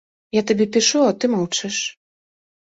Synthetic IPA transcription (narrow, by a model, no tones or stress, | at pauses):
jat̪abʲɛpʲiʂuat̪ɨmawt͡ʂɨʂ